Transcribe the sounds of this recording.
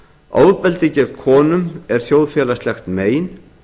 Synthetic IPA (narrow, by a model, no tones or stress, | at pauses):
a̰ːwðpɛlt̪ɪcɛɾkʰɔːnʏmɛɾ̥θjowðfjɛːlaslɛxt̪meːjn